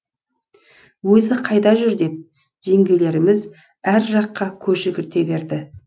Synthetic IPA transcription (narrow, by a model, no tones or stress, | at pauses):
wɵzɪqʰɑjd̪ɑʒʏɾd̪e̞p̚ | ʒe̞ŋɡʲele̞ɾɪmɪz | æɾʒɑqːɑkʲʰɵɾʒɪɡʲɪɾt̪e̞be̞ɾd̪ɪ